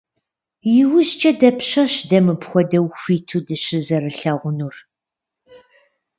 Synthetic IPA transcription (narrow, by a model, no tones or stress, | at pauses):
jɪwʊʑt͡ʃʼɐdɐpʰɕɐɕdɐmɨpχʷɔdɐwxʷiːtʰuːdɨɕɪzɐrɨɬɐʁʷʊnuːr